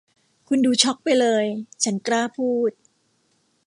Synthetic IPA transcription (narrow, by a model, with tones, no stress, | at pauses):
kʰu˧nduː˧t͡ɕʰɔ˦˥k̚pa˧jlɤː˧jt͡ɕʰa˦˥nklaː˥˩pʰuː˥˩t̪̚